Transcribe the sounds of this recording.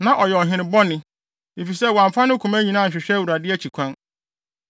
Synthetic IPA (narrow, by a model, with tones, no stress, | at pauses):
nã˨ʔɔ˨jɛ˨ɔ˨ɦɪ̃˨ɾɪ̃˦bɔ˦nɪ̃˨ | e˨fi˨sɛ˦wã˨ɱ˨fa˦nʊ̃˦kʰũ˨mæ˦ɲĩ˨nãː˦˨ɲ̩˨ɕᶣɪ˨ɕᶣɛ˦wu˨ɾa˨dɪ˦ɛ˦t͡ɕʰi˨kʷʰã˦n